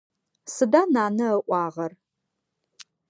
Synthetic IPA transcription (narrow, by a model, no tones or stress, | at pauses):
sɨdanaːnɐəʔʷɑːʁɐr